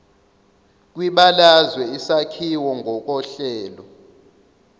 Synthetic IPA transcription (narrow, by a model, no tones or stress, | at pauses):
k̬ʼwiɓalazwɛisakʰiwɔŋɡʱɔk̬ʼɔɬɛːlɔ